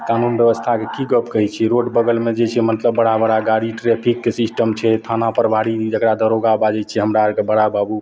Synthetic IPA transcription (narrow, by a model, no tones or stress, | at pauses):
kanunbjəbəst̪ʰakekiɡəpkəɦɛt͡ʃʰɛɾoɖbəɡəlmed͡ʒet͡ʃʰɛmət̪ləbːəɽabəɽaɡaɽiʈɾepʰiksisʈəmt͡ʃʰɛt̪ʰanapəɾbʱaɽid͡ʒəkɾad̪əɾoɡabad͡ʒɛt͡ʃʰɛɦəmɾaɾkebəɽababu